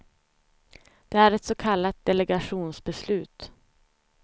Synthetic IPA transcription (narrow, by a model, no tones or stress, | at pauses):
d̪̥ɛæɾɛt̪sɔkʰalːat̪̚d̪ɛlɛɡaɧuːnsbɛslʉ̟ːt̪